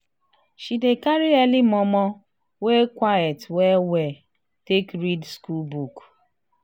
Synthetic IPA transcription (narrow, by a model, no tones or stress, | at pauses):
ʃidekaɾiɛlimɔmɔ | wekʷajetweweɛ | tekɾidskulbuk